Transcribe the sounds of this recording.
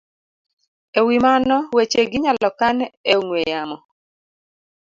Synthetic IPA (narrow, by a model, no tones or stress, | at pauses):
ewimanɔwet͡ʃeɡɪɲalɔkaneŋwejamɔ